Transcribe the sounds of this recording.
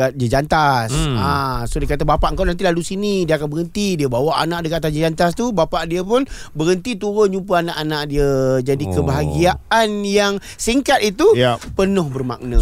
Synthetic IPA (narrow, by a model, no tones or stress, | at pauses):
at̪̚d͡ʒəd͡ʒant̪asasodəkat̪əbapaʔəŋkawnant̪̬ilalusinidiəakanbəɾənt̪idiəbawaʔa̰naʔdəkat̪asd͡ʒəd͡ʒant̪ast̪ubapaʔdiəpʊnbəɾənt̪it̪uɾət͡ʃump̬əanaʔanãʔdiəd͡ʒadikəbaɦaɡiaʔanjaŋ | siŋkat̪̚it̪upənʊhbərma̰k̚nə